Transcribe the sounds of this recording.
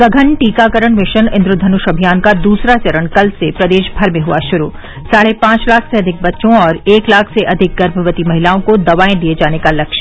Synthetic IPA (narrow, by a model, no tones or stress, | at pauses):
sɐɡʱənʈiːkakəɾəɳ̃mɪʃənɪ̃nd̪ɾʊd̪ʱɐnʊʃɐbʱijaːnkad̪uːsɾat͡ʃɐɾəɽ̃kɐlsepɾɐd̪eːʃbʱɐɾmẽɦuaʃʊɾu | saːɽepãːt͡ʃlaːkʰseɐd̪ʱɪk̚bɐtːʃõɔːɾeːklaːkʰseʔɐd̪ʱɪk̚ɡɐɾbʱəʋət̪imɐɦɪlaːõkod̪ɐʋaːẽd̪ied͡ʒaːnekalɐkʃ